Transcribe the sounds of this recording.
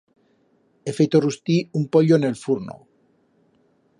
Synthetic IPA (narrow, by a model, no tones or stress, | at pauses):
efejt̪orust̪iumpoʎonelfuɾno̰